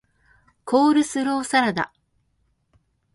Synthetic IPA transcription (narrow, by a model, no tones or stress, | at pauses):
kʰoːɾɯ̟sɨɾo̞ːsaɾad̪a̰